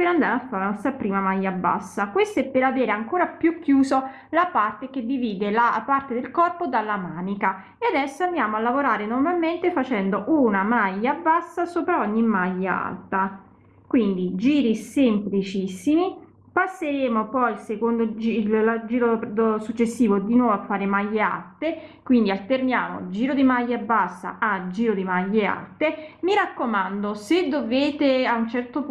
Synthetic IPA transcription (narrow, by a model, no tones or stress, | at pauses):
peɾand̪aːɾafːaɾenɔst̪ɾapɾiːmamajːabːa̰sːakwest̪ɛpːeɾaveːɾeaŋkoːɾapjukːjuːzo | lapart̪eked̪ːiviːd̪elapart̪ed̪elkɔrpod̪alːamaːnika | ead̪ɛsːoand̪jaːmoalːavoɾaːɾenormalment̪efat͡ʃɛnd̪oʔunamajːabːasːasoːpɾaɔɲːimajːaa̰lt̪a | kwind̪id͡ʒiːɾisemplit͡ʃisːimi | pasːeɾeːmopɔjilsekond̪od͡ʒild͡ʒiːɾod̪osut͡ʃːesːiːvod̪inwɔːvoafːaːɾemaʎːea̰lt̪e | kwind̪ialt̪ernjaːmo̰ld͡ʒiːɾod̪imaʎːaabːasːa̰ad͡ʒiːɾod̪imaʎːea̰lt̪emiɾakːomand̪osed̪ːoveːt̪eaunt͡ʃɛrt̪op